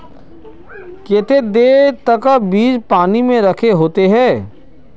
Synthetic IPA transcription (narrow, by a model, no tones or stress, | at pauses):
ket̪ʰed̪eːt̪ɐkəbiːd͡ʒpaːnimẽɾɐkʰeɦoːt̪eɦɛ̃ː